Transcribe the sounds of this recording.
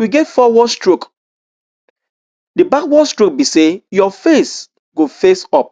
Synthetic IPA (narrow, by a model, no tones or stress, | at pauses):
wiɡetfɔwɔstɹok | dibakwɔstɹok̚bisejɔfes | ɡofesɔp̚